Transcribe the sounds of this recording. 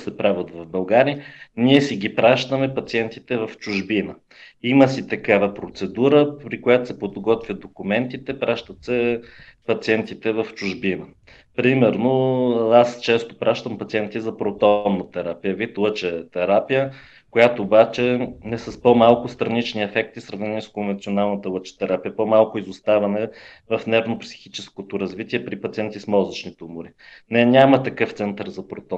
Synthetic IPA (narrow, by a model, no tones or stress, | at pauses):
sɛpɾavət̪vɐvbɐlˠɡaɾiniɛsiɡʲipɾaʃt̪əmɛpɐt̪siɛnt̪it̪ɛvɐft͡ʃʊʒbinə | iməsit̪ɐkavɐpɾot̪sɛd̪uɾəɾikojat̪ʊ̥sɛpod̪ɡɔt̪vʲjəd̪okumɛnt̪it̪ɛpɾaʃt̪ət̪sɛpɐt̪siɛnt̪it̪ɛvɐft͡ʃʊʒbinə | pɾimɛɾnoast͡ʃɛst̪o̥pɾʔaʃt̪əmpɐt̪siɛnt̪izɐpɾot̪ɔnːət̪ɛɾapijəvit̪lˠɤt͡ʃɛt̪ɛɾapijə | kojat̪oːbat͡ʃɛnɛsɐspomalˠkʊst̪ɾɐnit͡ʃniɛfɛk̚t̪isɾɐvnɛniskonvɛnt̪sionalˠnət̪əlˠɤət͡ʃɛ̥t̪ɛɾapijəpomalˠkʊizʊst̪avɐmɛvɐfnɛɾvnopsi̥xit͡ʃɛskot̪oɾɐzvit̪iɛpɾipɐt̪siɛnt̪ismɔzət͡ʃnit̪ɛumʊɾinɛnʲamət̪ɐkɤft̪sɛnt̪əɾzɐpɾot̪ɔ